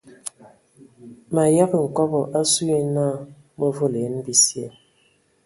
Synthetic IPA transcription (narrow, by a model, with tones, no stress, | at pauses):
ma˨ja˦kŋ̩˨kɔ˦bɔ˨ʔa˦su˦e˦na˦˨ | mo˦vo˦˨le˨˦nbi˦sjɛ˦˨